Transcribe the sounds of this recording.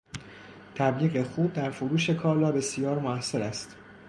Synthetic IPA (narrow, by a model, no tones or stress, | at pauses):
t̪ʰæbliːɣe̞xuːbd̪æɾfoɾuːʃe̞kʰɒːlɒːbe̞sijɒːɾmoæsːeɾæst̪